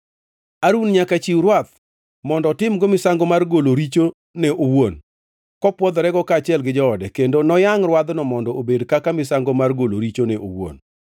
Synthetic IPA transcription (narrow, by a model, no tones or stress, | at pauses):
aɾunɲakat͡ʃiwɾwat̪̚ | mɔndɔtɪmɡomɪsaŋɡomarɡoloɾit͡ʃo | nɛʔowon | kɔpwɔd̪ɔɾɛɡɔkaːt͡ʃɪɛlɡɪd͡ʒɔːdɛkendonɔjaŋrwad̪nɔmɔndɔʔobedkakamɪsaŋɡomarɡoloɾit͡ʃonɛʔo̰wo̰n